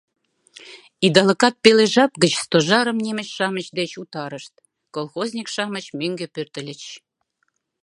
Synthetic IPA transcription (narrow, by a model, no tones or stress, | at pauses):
id̪ɑlɤkɑt̪̚peleʒɑp̚ɡə̆t͡ɕst̪oʒɑɾə̆mnʲimə̆t͡ɕʃɑmət͡ɕd̪et͡ɕut̪ɑɾə̆ʃt̪̚ | kolˠxozʲnʲikʃɑmə̆t͡ɕmøŋɡĕpørt̪ə̆lʲə̆t͡ɕ